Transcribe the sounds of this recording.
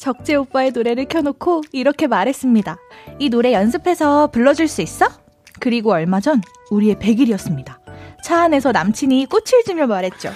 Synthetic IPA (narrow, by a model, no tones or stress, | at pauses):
t͡ɕʌk̚t͡ɕ͈e̞op͈ae̞noɾe̞ɾɯɭkʰjʌnokʰoiɾʌkʰe̞maɾɦe̞s͈ɯmɲidainoɾe̞jʌns̬ʰɯpʰe̞sʰʌpuɭːʌd͡ʑiɭs͈uis͈ʌ | kɯɾiɡoʌɭmad͡ʑʌn | uɾie̞pe̞ɡiɾijʌs͈ɯmɲidat͡ɕʰaːne̞sʰʌnamt͡ɕʰiɲik͈ot͡ɕʰiɭd͡ʑimjʌmaɾɦe̞t̚t͡ɕ͈o